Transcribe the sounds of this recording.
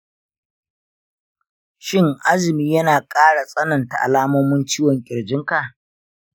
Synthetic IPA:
ʃɪ˦ŋʔa˦zɪ˨miː˦jɐ˦naː˨kʼaː˦ɽa˨sʼɐ˦nɐ˨nta˨ʔa̰˨laː˦mɔ˦mʊ˦nt͡ʃiː˦wɔ˨ŋkʲʼɪ˨ɽd͡ʒɪ˦ŋka˨ʔ

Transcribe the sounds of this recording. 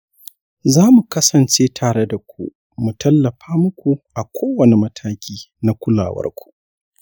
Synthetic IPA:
zaː˦mu˨kɐ˦sɐ˨nt͡ʃeː˦tʰaː˨ɽe˦da˨kʷṵ˦ʔ | mu˨tɐ˦lːɐ˨ɸaː˦mʊ˦kʷu˨ʔa˨kʷoː˦wɐ˨ne˨mɐ˦tʰaː˦kʲʰiː˦na˦kʷʊ˦la̰ː˨wɐ̰˦rkʷu̥˨ʔ

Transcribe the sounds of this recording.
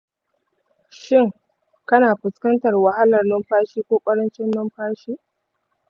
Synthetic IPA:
ʃɪ˦˨ŋ | kɐ˦naː˨ɸɪ˨skɐ˦ntɐ˨rwa˨ha˦lɐ˨rnɐ˦mɸaː˦ʃiː˦kʷoː˦kʷʼɐ˦ɾɐ˦nt͡ʃɪ˦nːɐ˦mɸaː˦ʃiː˦

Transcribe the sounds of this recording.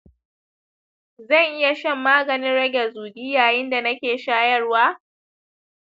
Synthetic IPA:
zɐ˦˨ŋʔɪ˦ja˨ʃɐ˦˨mːaː˦ɡɐ˨nɪ˦nɽɐ˦ɡʲɛ˨zuː˨dɪ˦jaː˨jɪ˦nda˨nɐ˦kʲeː˨ʃaː˦jɐ˦rwaː˦

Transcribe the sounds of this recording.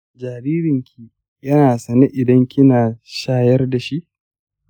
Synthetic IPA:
d͡ʒaː˨ɾiː˦ɾɪ˨ŋkʲʰi˨ | jɐ˦naː˨sɐ˨ne˦ʔɪ˨dɐ˦ŋkʲɪ˦naː˨ʃaː˦jɐ˦rda˨ʃi˦ʔ

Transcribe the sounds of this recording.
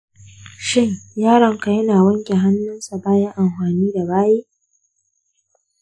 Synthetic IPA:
ʃɪ˦ŋjaː˦ɽɐ˨ŋka˨jɐ˦naː˨wɐ˦ŋkʲʼe˨ɦa˦nːʊ˦nsa˨baː˦jɐ˦ŋʔa˨mɸaː˨niː˦da˨baː˦jeː˦

